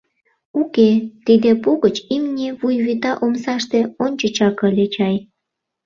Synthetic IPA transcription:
uket̪id̪epuɣət͡ɕimnʲiβujβit̪ɑʔomsɑʃt̪eonʲt͡ɕət͡ɕɑkəlʲet͡ɕɑj

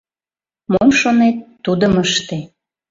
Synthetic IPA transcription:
momʃonet̪ːud̪əməʃt̪e

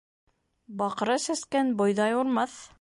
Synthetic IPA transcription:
bɑq̆ɾɤsæ̆skænbŏjðɑjuɾmɑθ

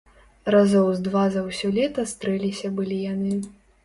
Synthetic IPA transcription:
razɔwzd̪vazɐwsʲɔlʲɛt̪ɐst̪ɾɛlʲisʲɐbɨlʲijanɨ

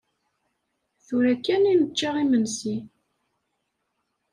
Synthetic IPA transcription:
θuɾækːæninət͡ʃːaʁimənsi

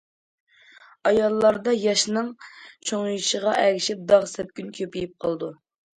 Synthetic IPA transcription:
ɑjɑlˠːɑɾd̪ɑjɑʃnɨŋt͡ʃʰoŋjiʃəʁɑʔɛɡʲiʃip̚d̪ɑʁsɛp̚kʲynkʲʰøpijip̚qʰəlˠd̪u

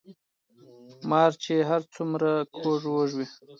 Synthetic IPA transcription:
mɑːɾt͡ʃeɦaɾt͡sumɾakʰoʐwoʐwi

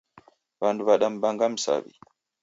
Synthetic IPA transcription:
bandubaɗambaŋɡamsa̰bḭ

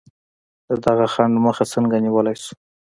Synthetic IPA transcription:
d̪əd̪aɣaxaɳɖməxat͡səŋɡaniwəlajsu̥

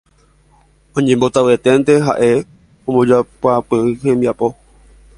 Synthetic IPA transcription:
õɲẽmbo̞t̪awe̞t̪e̞nt̪e̞ɦa̰ʔe̞ | õmõd͡ʒapapeɨhẽ̞mbiapo̞

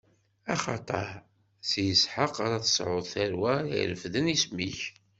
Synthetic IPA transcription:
ɑχɑt̪ˤɑɾˤ | sjəsħəqaɾæθə̥sʕʊðˤθæɾwæḭləfðənismiç

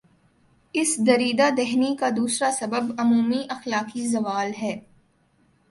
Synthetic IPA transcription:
ɪsd̪ɐɾiːd̪ad̪ɛɦnikad̪uːsɾasɐbəbɐmuːmiʔɐxlaːkizɐʋaːlɦɛː

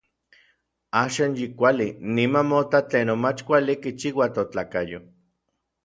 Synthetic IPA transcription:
aːʃaːnjikʷalinimanmot̪at͡ɬeːnomat͡ʃkʷalikit͡ʃiwat̪ot͡ɬaːkajo

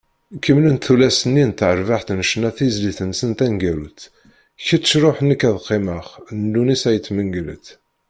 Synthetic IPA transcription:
kːəmlənt̪θulæsənːint̪ːʕəɾvaħt̪nʃnæθizliθənsənt̪ænɡæɾut̪ | çət͡sːə̥ʃɾˤoħnːəkːæðqːeməχnd̪unisæjət̪ːməŋɡlə̰θ

